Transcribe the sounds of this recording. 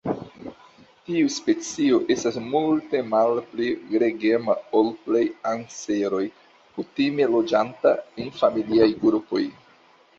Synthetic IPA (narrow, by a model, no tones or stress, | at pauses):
tiuspe̞t͡sio̞ʔe̞stasmulte̞malpliɡɾe̞ɡemaolplejanse̞ɾo̞j | kutime̞lo̞d͡ʒantaenfamiliajɡɾupo̞̰j